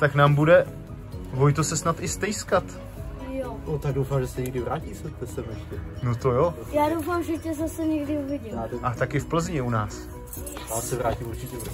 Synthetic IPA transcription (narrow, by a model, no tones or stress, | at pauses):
t̪aknaːmbudɛ | ɦojt̪osɛsnat̪ɪst̪ɛjskat̪ | jonot̪aɡ̚dowfaːmʒɛsɛɲɛɡdɪvɾaːcisɛt̪ɛsɛmɛʃcɛnot̪ojo | jaːdowfaːmʒɛcɛzasɛɲɛɡdɪuvɪɟɪat̪ʔat̪akɪfpl̩zɲɪunaːs | aːsɛvɾaːcimuɾt͡ʃɪcɛ